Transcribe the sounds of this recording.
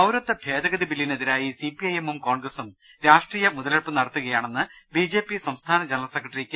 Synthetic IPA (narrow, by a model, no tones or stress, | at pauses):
ɐwɾɐt̪ːɐbʱje̞ːd̪ɐɣɐðibilːineðiɾaːjisipːiɐjemumko̞ːɳɡrɐsum | ɾaːʂʈriːjɐmuðɐlɐɭpɨnɐɽɐt̪ːuɣɐjaːɳe̞nːɨbid͡ʑe̞ːpːisɐmst̪ʰaːnɐd͡ʑenɐlɐsekːrɐʈɐrikʲːɨ